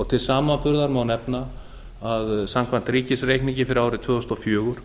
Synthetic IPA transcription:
ɔɣt̪ʰɪlsaːmapʏɾðaɾmaːwnɛpna | aðsamkʰvan̥t̪ɾiːcɪsreːjkniɲcɪfɪɾɪɾaːwɾɪt̪ʰvœːðɔst̪ɔfjœːɣʏɾ̥

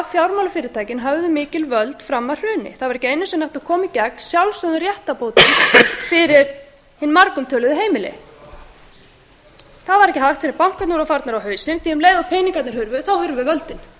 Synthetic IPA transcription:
fjawɾmawlʏfɪːɾɪɾt̪ʰaːjcɪnɦœvðʏmɪːcɪlvœlt̪fɾamːḁr̥ʏːnɪ̰θaðvaɾɛhcɪejnʏsɛmnahft̪akʰɔːmicɛkn̥sjawlsœðʏɾjɛht̪apoːwt̪ɪnfɪɾɪɾ̥ | hɪnːmaɾkʏmt̪ʰœːlʏðʏɦeːjmɪlɪ̰ | θaðvaɾɛhcɪhajft̪fɛnɪɾpawŋ̥kat̪nuːɾafaɾt̪naɾawɦœːɥsɪnθiɛmleːjɣawpʰeːjniŋkat̪nɪɾ̥hʏɾvʏθawhʏɾvʏvœlt̪ɪn

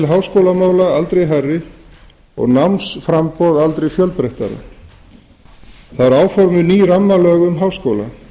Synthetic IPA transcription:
lɦawskoːwlamaːwlaalt̪ɾejɦarːɪ | ɔ̰ɣnamnsfɾampɔwðalt̪ɾejfjœlpɾejht̪a̰ɾa̰ | θaðaɾaːwfɔɾmɪniːɾamːalœːɣʏmɦawskowla̰

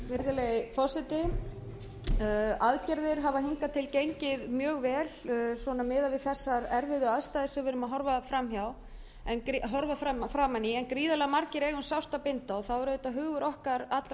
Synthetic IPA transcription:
vɪɾðʏlejɪfɔsɪt̪ɪ | aðcɛɾðɪɾ̥ɦavaɦɪŋkat̪ʰɪlcejɲcɪðmjœːɣvɛːlsvɔnamɪːðavɪðθɛsːaɾɛɾvɪðʏaðst̪ajðɪsʏvɪɾʏmaðɦɔɾvafɾamçjaw | ɛnkɾɦɔɾvafɾamfɾaːmanːɪɛnkɾiːðalɛɣamaɾcɪɾɛɣʏnsawr̥t̪apɪnt̪aɔθawɛɾœɥt̪aɦʏːɣvʏɾʔɔhkaɾat̪l

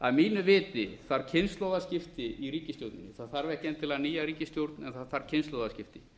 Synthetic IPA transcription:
aðmiːnʏvɪːt̪ɪθaɾ̥cʰɪnst̪lowðascɪft̪ɪiɾiːcɪst̪owt̪nɪnːɪθaðθaɾvɛhcɛnt̪ʰɪlaniːjaɾiːcɪst̪jowɾt̪nɛnθaðθaɾ̥cʰɪnst̪lowðascɪft̪ɪ

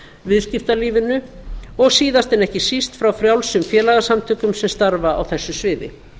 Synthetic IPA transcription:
vɪðscɪft̪aliːvɪnʏɔɣsiːðast̪ɛnɛhcɪsist̪fɾawfɾjawlsʏmfjɛːlaɣasamt̪ʰʏːkʏmsɛmst̪aɾvaa̰wθɛsːʏsvɪːðɪ̰

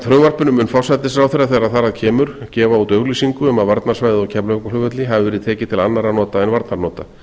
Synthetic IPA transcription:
θʰɾœɣvar̥pʏnʏmʏnfawsajt̪ɪsɾawθɛɾaθɛɾaðθaɾaðcʰɛːmʏɾ̥cɛːvaut̪œɣlisiŋkʏɛmaðvaɾt̪naɾ̥svaːjðɪɔwcʰɛplœkalʏvœt̪lɪɦavɪvɛɾɪðt̪ʰɛːcɪt̪ʰɪlanːaɾanɔːt̪aɛnvaɾt̪naɾnɔːt̪a

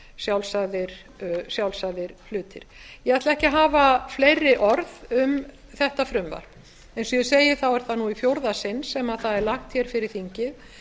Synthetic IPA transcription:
sjawlsaðɪɾ̥ | sjawlsaðɪɾ̥lʏːt̪ɪɾ̥jɛat̪laɛhcɪɦaːvaflejɾːɪʔɔɾðʏm | θɛht̪afɾʏmva̰ɾ̥ | ejnsɔjɛseːjɪθawɛɾ̥θanuifjowɾðasɪnsɛmaðθaðɛɾlaxt̪çɛɾ̥fɪɾɪɾ̥θiɲcɪð

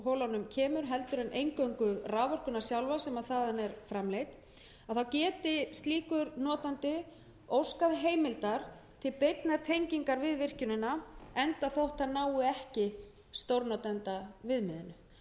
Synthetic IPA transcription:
ɦowlawnʏmcʰɛːmʏɾɦɛl̪t̪ʏɾɛnʔejŋkœɥŋkʏraːvɔr̥kʏnasjawlvasɛmaðθaːðanɛɾfɾamlejt̪ | aðθawcɛːt̪ɪst̪liːkʏɾnɔːt̪ant̪ɪ | owskaðɦeːjmɪlt̪aɾ̥t̪ʰɪlpejt̪naɾ̥t̪ʰejɲciŋkaɾvɪðvɪr̥cʏnɪnaɛnt̪aθowht̪hanaːwɪɛhcɪ | st̪owɾnɔt̪ɛnt̪avɪðmɪðɪnʏ

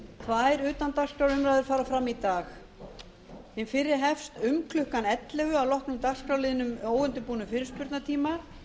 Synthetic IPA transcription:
kʰvaðɛɾʏːt̪ant̪ar̥skɾawɾʏmɾajðɪɾ̥faːɾafɾamːit̪aːx | hɪnfɪɾːɪɾ̥ɦɛfst̪ʏmkʰlʏhkanɛt̪lɛɣʏavlɔhknʏmt̪arskawlɪːðnʏmoːwvɛnt̪ʏpuːnʏmfɪːɾɪɾ̥spʏɾt̪naɾt̪ʰiːma

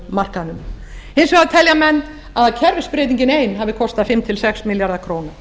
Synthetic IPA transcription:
mar̥kanʏm | ejnsɛɣaðt̪ʰɛljamɛnː | aðcʰɛɾvɪ̥spɾeːt̪iɲcɪneːjnhavɪkʰɔst̪aðfɪmt̪ʰɪlsɛksmɪljaɾðakʰɾoːwna

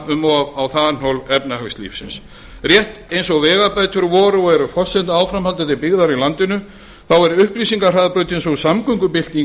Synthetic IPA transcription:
ʏmɔawθaðanowlɛpnahœkslḭːfsɪns | rjɛht̪ejnsɔɣvɛːɣapajt̪ʏɾvɔːɾʏɔɛɾʏfɔr̥sɛnt̪aaːwfɾamhalt̪at̪ɪpɪɣðaɾilant̪ɪnʏ | θawɛɾʏhpɾisiŋkar̥aðpɾœːɥt̪ejnsɔɣsamkʏŋkʏpɪl̥t̪i

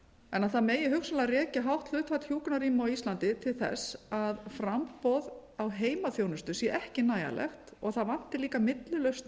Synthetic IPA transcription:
ɛnaðθaðmeːjɪɦʏxsʏmlarjɛːcɪɦawht̪l̥ʏht̪fat̪hjuːknaɾiːmawist̪lant̪ɪt̪ʰɪlθɛ̰saðfɾampɔðawɦeːjmaθjownʏst̪ʏsjɛʔɛhcɪnaːja̰lʔɛ̰xt̪ɔɣθaðvan̥t̪ɪliːkamɪt̪lʏlœɥst̪

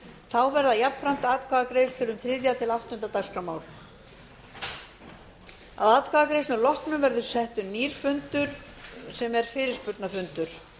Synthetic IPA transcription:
θawvɛɾðajapnpɾam̥t̪aaːt̪kʰaɣakɾeːjst̪ʰɪɾʏmθɾɪːðjat̪ʰɪlawht̪ɔʏnt̪at̪askamaːwl̥ | a̰ðaːt̪kʰaɣakɾejsnʏlɔhknʏmvɛɾðʏ̥sɛht̪ʏniːɾ̥fʏnt̪ʏɾ̥ | sɛmɛɾ̥fɪːɾɪspʏt̪nafʏnt̪ʏɾ̥

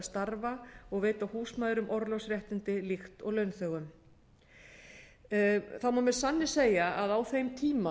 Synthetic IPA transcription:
st̪aɾvaɔɣveːjt̪awhuːsmajðɾʏmʔɔɾlɔwsrjɛht̪ɪnt̪ɪlixt̪ɔɣlœɥnθœɣʏm | θawmaːmɛðsanːɪ̥seːjaaðawθejmt̪ʰiːma

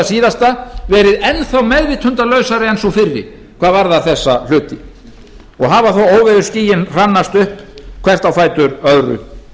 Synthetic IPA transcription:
asiːðast̪avɛːɾɪðɛnθawmɛðvɪt̪hʏnt̪alœɥsaɾɪɛnsɔfɪrːɪ̰ | kʰvaːðvaɾðaθɛsːal̥ʏːt̪ɪ | ɔɣɦaːvaθowoːwvɪðʏ̥sciːjɪnr̥anːast̪ʏhpkʰv̥ɛr̥t̪awfaːjt̪ʏɾœðɾʏ̰

